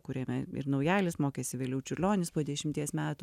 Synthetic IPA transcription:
kʊɾʲeːmʲɛɪ̰ɾnɐʊjæːlʲɪsmoːkʲeːsʲɪʋʲeːlʲɛʊt͡ʃʲʊɾʲlʲoːnʲɪspoːd̪ʲɛʃʲɪmʲt̪ʲiɛsmʲæːt̪ʊ

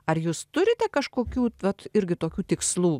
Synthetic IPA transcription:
ɐrjuːst̪ʊɾʲɪt̪ʲɛkɐʃkoːkʲuːʋɐt̪ɪɾʲɡʲɪt̪oːkʲuːt̪ʲɪkslˠuː

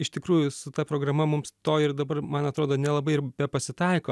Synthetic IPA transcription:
ɪʃt̪ʲɪkɾuːjʊsʊt̪ɐpɾoːɡɾɐmɐmʊmst̪oːɪrd̪ɐbɐrmɐnɐt̪ɾoːd̪oːnʲɛlˠɐbɐɪɪrbʲɛpɐsʲɪt̪ɐɪkoː

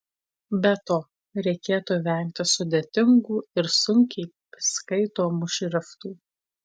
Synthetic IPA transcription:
bʲɛt̪oː | ɾʲɛɪkʲeːt̪uːʋʲɛˑŋʲkt̪ʲɪsʊd̪ʲeːt̪ʲɪŋɡuːɪɾsʊŋʲkʲɛɪ | skɐɪt̪oːmʊʃʲɾʲɪft̪uː

